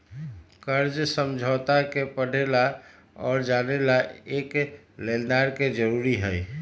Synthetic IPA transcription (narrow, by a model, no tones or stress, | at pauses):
kəɾd͡ʒsəmd͡ʒʱəːt̪akepəɽ̤ʱela | ɔːɾd͡ʒaːnelaeːk | leldaɾked͡ʒəɾuːɾiɦəj